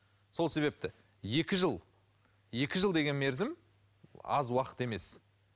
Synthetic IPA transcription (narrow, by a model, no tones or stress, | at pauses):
so̞lˠse̞βe̞p̚t̪ɪ | je̞kʲɪʒəlˠ | je̞kʲɪʒəlˠd̪e̞ɡʲe̞nme̞ɾzɪm | ɑ̰zwɑqə̥t̪e̞me̞s